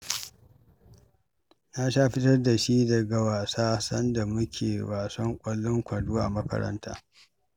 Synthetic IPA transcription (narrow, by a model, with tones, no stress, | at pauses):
na˦ʃaː˦ɸɪ˦tɐ˦rda˨ʃi˦dɐ˨ɡa˨waː˨saː˦sɐ˦nda˨mʊ˦kʲʰḛː˨waː˨sɐ˦ŋkʷʼɐ˨lːʊ˦ŋkʷɐ˨duː˦ʔa˨mɐ˦kɐ̰˨ɾɐ̰˦nta̰ː˦